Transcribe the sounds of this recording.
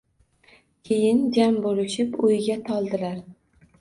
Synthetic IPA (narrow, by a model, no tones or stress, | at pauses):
kʲʰejɪnd͡ʒambolɪʃɪpʊjɡʲat̪ʰɒlˠd̪ɪlaɾ